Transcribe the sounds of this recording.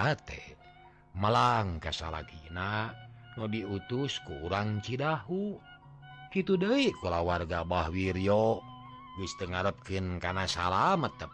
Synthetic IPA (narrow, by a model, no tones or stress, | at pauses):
at̪ḛ | məlaŋkasa̰la̰kinanɔdiut̪uskuːɾaŋt͡ʃidaɦu | kit̪udəiʔkulawarɡabahwiɾio | ɡɨst̪əŋaɾəp̚kɨnkanasalamət̪ːəp̚